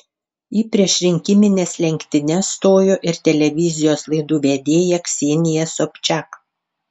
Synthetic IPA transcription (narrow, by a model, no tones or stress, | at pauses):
iːpʲɾʲiɛʃɾʲɪŋʲkʲɪmʲɪnʲeːslʲɛŋʲkʲt̪ʲɪnʲɛst̪oːjoːʔɪɾt̪ʲɛlʲɛʋʲɪzʲɪjoːslˠɐɪd̪uːʋʲɛd̪ʲeːjɛksʲeːnʲɪjɛsopʲt͡ʃʲæk